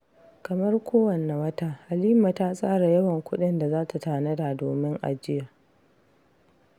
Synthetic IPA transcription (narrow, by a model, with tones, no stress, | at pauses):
kɐ˨mɐ˦rkʷʰoː˦wɐ˨nːa˨wɐ˦taː˦ʔa˨liː˦ma˨taː˦sʼaː˦ɽa˨jɐ˦wɐ˨ŋkʷʊ˦ɗɪ˦nda˨zaː˦ta˨taː˨nɐ˦da˨doː˨mɪ˦ŋʔa̰˨d͡ʒɪ˦ja˨